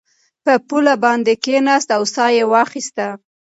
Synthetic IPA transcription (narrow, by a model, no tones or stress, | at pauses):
pəpulabɑnd̪ekenɑst̪awsɑjewɑxist̪a